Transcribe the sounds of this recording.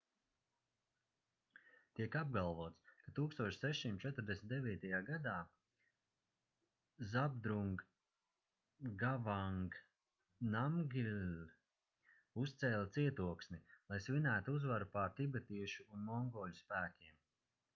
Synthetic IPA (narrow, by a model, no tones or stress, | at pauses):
t̪iɛkab̚ɡalˠvuɔt̪skat̪uːkst̪uɔt͡ʃsɛʃsimt̪t͡ʃɛt̪ʊɾd̪esnʲt̪d̪eviːt̪ajaːɡad̪aː | zabd̪ɾuŋɡ | avaŋɡ | namɡʲil | ust̪sɛːlʲat̪siɛt̪uɔksnilˠajsvinæːt̪uuzvaɾupaɾt̪ibɛt̪iɛʃuunmɔŋɡɔːlʲuspæːkʲiɛm